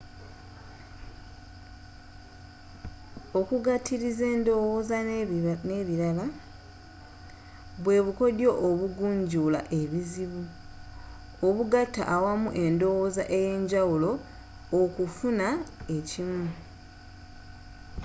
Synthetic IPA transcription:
o̞kuɡatʰːiɾize̞ːndowozaneβiɾala | βwe̞βuko̞djo̞ʔoβuɡuːɲɟula̰ʔe̞βiziβu | oβuɡatːa̰ʔːwamuʔe̞ndo̞wozaʔe̞je̞ːɲɟawulo̞ː | kufunae̞cimu

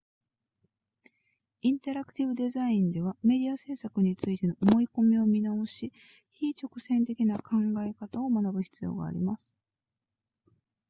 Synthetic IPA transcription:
ĩnt̪eɾakɯ̟̥t̪ʲibɯ̟d̪e̞zaĩnd̪e̞β̞ame̞d̪ʲiase̞ːsakɯ̟ɲ̟it͡sɨit̪e̞no̞ʔomo̞iko̞mʲio̞mʲinao̞ɕi | çiːt͡ɕo̞kɯ̟sẽ̞nt̪e̞kʲinakʰãŋɡaekat̪ao̞manabɯ̟çi̥t͡sɨjo̞̰ːɡa̰ːɾʲḭmasɨ̥

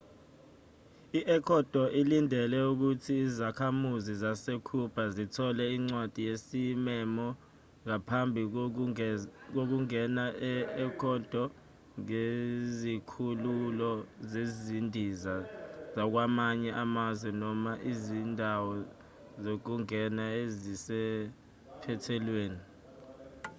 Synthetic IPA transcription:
iʔɛkʰɔd̥ʱɔʔilindʱɛlɛuk̬utʰiːzakʰamuzizasekʰub̥ʰʱazitʰɔlɛiŋ͡ǀwad̥ʱijesimɛmɔ | ŋapʰambʱi | k̬ok̬uŋɛnaɛɛkʰɔd̥ʱɔ | ŋezikʰululɔzezzindʱizazak̬wamaɲɛʔamazwɛnɔmaʔizindʱawɔ | zok̬uŋɛnaezisɛ | pʰɛtʰɛlweːni

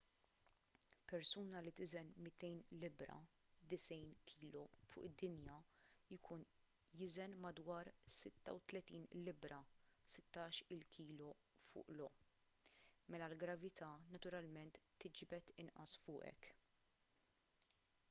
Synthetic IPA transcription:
pɛɾsuːnɐlit̪ɪzɛnmɪt̪ɛjnlɪbɾɐ̰ | d̪ɪsɛjnkʰiːlɔfʊ̰ːʔɪd̪ːɪnjɐɪkʰuːn | jɪzɛnmɐd̪wɐːɾsɪt̪ːɐ̰wt̪lɛt̪iːnlɪbɾɐsɪt̪ːɐːʃɪlkʰiːlɔ | fʊ̰ːʔlɔ | mɛlɐlɡɾɐvɪt̪ʰɐːnɐt̪ʊɾɐlmɛnt̪ːɪd͡ʒbɛt̪ɪnʔɐ̰sfʊːʔɛ̰k

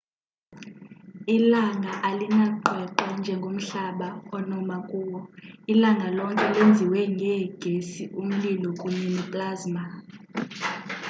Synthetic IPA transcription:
ilaŋʱaʔalinaǃɛǃand͡ʒʱɛŋɡʱom̩ɬaɓaɔnɔmakʼuːwɔilaŋʱalɔŋkʼɛlend͡zʱiwɛŋɡʱɛɡ̥ʱesiʔum̩lilɔkʼuɲɛnɛpʼlaːzma

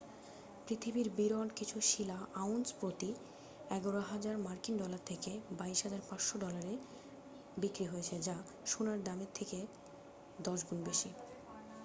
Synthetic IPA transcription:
pɾit̪ʰibiɾbiɾɔnkit͡ɕʰuʃilaawnspɾot̪i | ɛɡoɾoɦad͡ʑaɾmaɾkinɖɔlaɾt̪ʰekebaiʃɦad͡ʑaɾpãt͡ɕʃoɖɔlaɾe | bikɾiɦoet͡ɕʰed͡ʑa | ʃunaɾd̪ameɾt̪ʰeke | d̪ɔʃɡunbeʃi

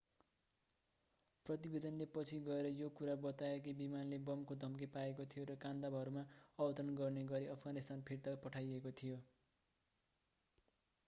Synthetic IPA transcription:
prʌt̪ibed̪ʌnlepʌt͡sʰiɡʌeɾʌjokuɾabʌt̪aekebimanlebʌmkod̪ʱʌmkepaekot̪ʰijoɾʌkand̪abʱʌɾumaʌbʌt̪ʌɾʌnɡʌrneɡʌɾiʌpʰʌɡanist̪anpʰiɾt̪apʌʈʰajekot̪ʰijo

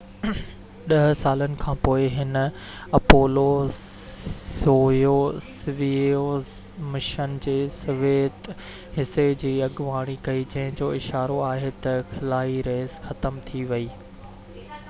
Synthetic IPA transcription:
ɗɐɦsaːlənɪ̆kʰãːpoːɪɦɪn | ɐpoːloːs | oːjosʋios | mɪʃənd͡ʑeːsɐʋeːt̪ | ɦɪsed͡ʑiːɐɠʊʋaːɽ̃ikɐid͡ʑɐ̃ɦɪ̃d͡ʑoːɪʃaːɾoaːɦet̪ɐxɪlaːiɾeːzxɐt̪əmt̪ʰiʋɐiː

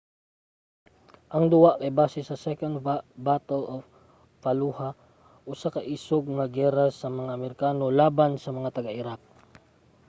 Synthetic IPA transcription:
ʔɐŋd̪ʊwaʔɐjbaːsɛsɐsɛkɐnd̪bat̪ɛlof | fɐluha | ʔʊsakɐʔiːsoɡ̚ŋɐɡɛɾasɐmɐŋaʔːmɛɾɪkaːnolaːbansɐmɐŋat̪ɐɡɐʔɪɾak̚

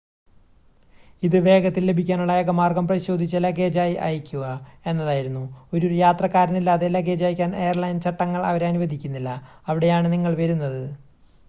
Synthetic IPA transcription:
iðɨʋe̞ːɡɐt̪ːille̞bʱikʲːaːnuɭːɐjɐɡɐmaːrɡɐmprɐðiɕo̞ːd̪ʱit͡ɕːɐlɐɡeːd͡ʑaːjiʔa̰ːjikʲːuɣɐe̞nːɐðaːjiɾunːuo̞ɾoɾujaːt̪rɐkːaːɾɐnilːaːðelɐɡe̞ːd͡ʑaːjikʲːaːne̞jɐrlɐjnt͡ɕɐʈːɐŋːɐɭɐ̰ʋɐɾeɐnuʋɐd̪ʱikʲːunːilːɐː | ʋiɽe̞jaːɳɨniŋːɐɭʋɐɾunːɐðɨ

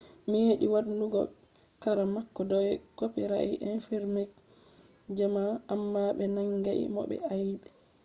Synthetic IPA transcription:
miheɗiwaɾnduɡɔ̰ | kaɾamakːɔdɔwɛkopiɾa̰ʔḭʔɛnfɛɾmek | d͡ʒamaːmːaɓɛnaŋɡaʔḭmɔ̰ɓɛ̰ajɓɛ

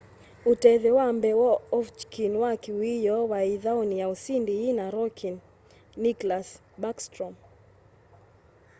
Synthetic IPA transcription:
utɛðɛwambɛwɔɔft͡ʃkʰinwakiwijɔwaiðaonijausindiinaɾɔkʰinː | iklas | bakstɾɔm

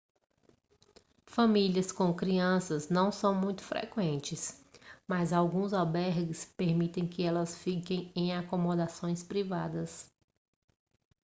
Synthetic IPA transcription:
fɐmiliɐskõkɾiɐ̃sɐznɐ̃w̃sɐ̃w̃mũj̃t̪ʊ̥fɾʔḛkwẽnt͡ʃɪsmɐzawɡũzawbɛɾɡɪspeɾmit̪ẽj̃kɪɛlɐsfikẽj̃ẽj̃akomod̪asõj̃spɾivad̪ɐs

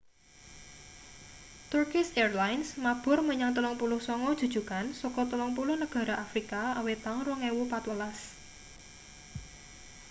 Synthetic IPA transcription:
t̪urkɪsɛrlajnsmab̥ʊ̤rməɲaŋt̪əlɔŋpulʊhsɔŋɔd̥ʒ̥ṳd̥ʒ̥ṳkansɔkɔt̪əlɔŋpulʊhnəɡ̥a̤ɾaʔafɾikaawet̪aŋrɔŋɛwupat̪wəlas

